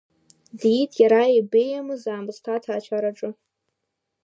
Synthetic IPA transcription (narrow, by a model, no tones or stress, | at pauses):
ditʰjaɾaibejamɨzaːmɨztʰatʰaːt͡ʃʰaɾaʈ͡ʂʼɨ